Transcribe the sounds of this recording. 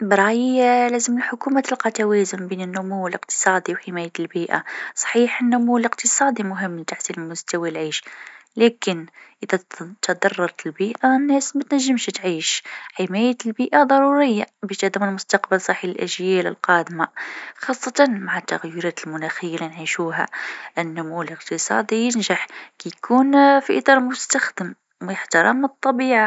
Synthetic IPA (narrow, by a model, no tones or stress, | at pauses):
bɾˤɑlæzəməlħʊkumæt̪əlqɑt̪æwæzʊnbinənːʊmuwːələqt̪ə̥sˤɑd̪ˤiwħəmæjælbiʔa̰sˤħiħənːʊmuwələqt̪əsˤɑd̪ˤimʊɦəmːlt̪aħsinmʊst̪æwalʕiʃlækənʔəd̪æt̪d̪ɑrˤːɑɾˤt̪əlbiʔanːæsmæt̪næʒːəmʃt̪ʕiʃħimæjæt̪əlbiʔad̪ˤɑɾˤuɾəjːabæʃt̪æd̪æmənlmʊst̪ɑqbəlsˤɑħillʔæ̰ʒjælə̰lqɑd̪maxɑsˤːɑt̪ɑnmaʕat̪ːaɣjoɾɑt̪əlmʊnæxəjːalinʕiʃuɦæ̰ʔənːʊmuələqt̪əsˤɑ̰d̪ijənʒaħkijkʰunfiʔət̪ˤɑɾˤlmʊst̪axd̪əm | mjəħt̪ɑɾˤɑmːət̪ˤːɑbiʕa